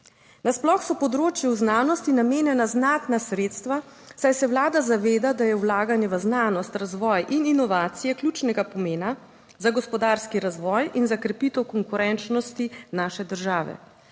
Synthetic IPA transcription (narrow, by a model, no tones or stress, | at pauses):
nasplɔxsɔpɔd̪ɾoːt͡ʃjɛwznaːnɔst̪inameːnjɛnaznaːt̪nasɾeːt̪st̪ʋa | sajsɛwlaːd̪azaʋeːd̪ad̪ajɛwlaːɡanjɛʋəznaːnɔst̪ɾazʋɔːjʔininɔʋaːt̪sijɛklʲjuːt͡ʃnɛɡapɔmeːna | zaɡɔspɔd̪aɾskiɾazʋɔːjinzakɾɛpit̪ɛwkɔŋkuɾɛnt͡ʃnɔst̪inaːʃɛd̪əɾʒaːʋɛ̰